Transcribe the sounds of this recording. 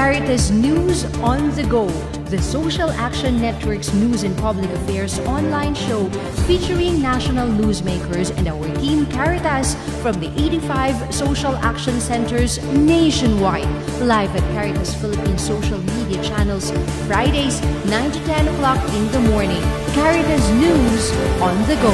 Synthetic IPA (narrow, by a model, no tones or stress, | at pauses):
kæɹɪt̪ɐsnjuːz | ʔɔ̃nðəɡo | ðɐsoʊʃɐlʔækʃɔ̃nːɛt̪wəɹksnuːzɛ̃npʌblɪkɐfɛɹsʔɔ̃nlãɪ̃nʃoʊ | fit͡ʃəɹɪ̃ŋnæʃɔnɐlˠnuːzmeɪkʰəɹzɛ̰̃ndawəɹt̪ʰĩːmkæɹɪt̪əs | fɹʌ̃md̪iʔeɪtifaɪvsoʊʃɐlʔæ̰kʃɔ̃nsɛ̃nt̪əɹz | neɪʃɔ̃nwaɪd̚ | laɪvɐt̪̚kæɹɪt̪ɐsfɪlɪpĩːnsoʊʃɐlmidiɐt͡ʃænɛlsɪ̃n | fɹaɪdeɪsnãɪ̃nt̪ut̪ɛ̃nəklɑkɪ̃nðəmɔɹnɪ̃ŋ | kæɹɪt̪ɐs̬nuzʔɔ̃nðəɡo